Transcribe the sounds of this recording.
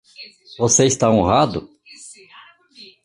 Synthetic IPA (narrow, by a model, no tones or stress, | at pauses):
voseist̪aõɦad̪ʊ